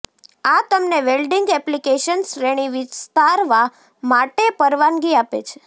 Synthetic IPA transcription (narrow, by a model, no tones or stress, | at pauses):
at̪əmneʋelɖiŋɡɛplikeʃənsɾeɽ̃iʋist̪aɾʋa | maʈepəɾʋanɡiapḛt͡ʃʰe̥